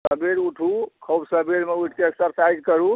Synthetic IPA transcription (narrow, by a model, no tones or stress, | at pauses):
səbeɾuʈʰukʰobsəbeɾmeuʈʰkeeksəɾsajd͡ʒkəɾu